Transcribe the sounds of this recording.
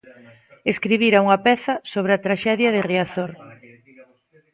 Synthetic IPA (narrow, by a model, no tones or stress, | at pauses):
eskɾiβiɾauŋɐpɛθɐsoβ̞ɾɪat̪ɾaʃɛðjɐðɪriaθoɾ